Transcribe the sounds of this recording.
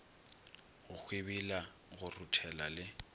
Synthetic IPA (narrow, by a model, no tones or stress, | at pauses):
ɣʊk͡xʰwɪbila | ɣʊrutʰɛlalɪ